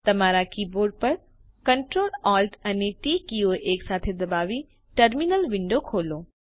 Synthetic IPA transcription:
t̪ɐmaːɾakiːboːɾɖ̚pɐɾ | kɐɳʈɾoːlɔːlʈɐneʈiːkioʔeːksaːt̪ʰed̪ɐbaːʋi | ʈɐɾminəlʋɪ̃ɳɖokʰoːloː

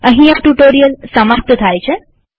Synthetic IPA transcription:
əɦĩaʈuʈoɾijəlsəmaɾt̪ət̪ʰajt͡ʃʰe

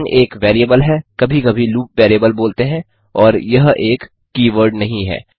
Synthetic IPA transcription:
nʔeːkʋeːɾiəbəlɦɛkɐbʱikɐbʱiluːp̚ʋeːɾijəbəlboːlt̪eɦɛ̃ | ɔːɾjɐɦeːkː | iːʋəɾɖnɐɦĩɦɛ̰ː

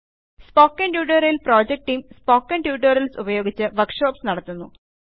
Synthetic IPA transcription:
spo̞ːkːeɳɖjuːɖɐɾilpro̞ːd͡ʑek̚ʈijmspo̞ːkːɐɳɖjuːʈːɐɾɐlsubɐjo̞ːɡit͡ɕːɨʋɐrkʂo̞ːpsnɐɽɐt̪ːunːu

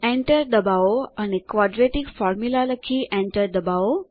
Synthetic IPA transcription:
ẽɳʈəɾd̪əbaoañikʋɔɖɾeʈiɡfɔɾmjulaləkʰːiːʔẽɳʈəɾd̪əbao

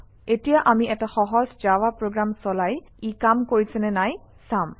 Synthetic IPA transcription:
etijaʔamiɛtaxɔɦɔzzawapɹoɡɹamsɔlaj | ikamkoɹisɛnɛnaj | sam

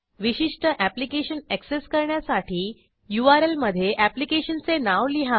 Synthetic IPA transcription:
ʋiɕiʂʈəʔæplikeɕənekseskəɾɳjasaʈʰiː | juaɾelməd̪ʱːjeʔæplikeɕənt͡senaʋliɦa

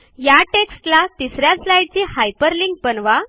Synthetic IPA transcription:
jaʈeksʈlat̪isɾjaslajɽ̚t͡ɕiːhajpəɾliŋk̚pənʋa

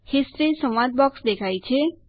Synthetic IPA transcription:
hesɾesʌ̃w̃wad̪̚bɔksd̪ekʰajt͡ʃʰe

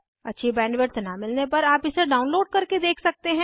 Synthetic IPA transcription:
ɐtːʃʰibɛ̃ːnʋɪʈt̪namɪlnepɐɾaːpɪseɖaːʊnloːɖ̚kɐɾked̪eːkʰsɐk̚t̪eɦɛ̃ː

